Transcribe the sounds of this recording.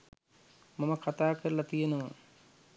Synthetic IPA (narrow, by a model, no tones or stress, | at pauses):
maməkʰat̪aːkəɾəlat̪ijenəʋə